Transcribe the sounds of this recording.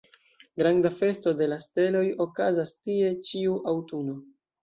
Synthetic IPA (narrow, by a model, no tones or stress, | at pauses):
ɡɾandafe̞sto̞de̞laste̞lo̞jo̞kazastie̞t͡ʃiuʔawtuno̞